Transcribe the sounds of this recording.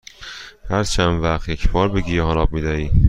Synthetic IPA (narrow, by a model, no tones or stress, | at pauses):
hæɾt͡ʃʰænvæχt̪jecʰbɒːɾbeɟiːjhɒnɒːb̚miːd̪æiː